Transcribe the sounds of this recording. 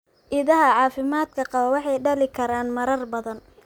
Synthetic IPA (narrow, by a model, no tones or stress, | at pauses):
ʔɪðɐɦɐʕɑːfɪmaːd̪kʰɐqɑβɐwɑħɑjɖɐlɪkʰɐɾaːnmɐɾɐrbɐðɐn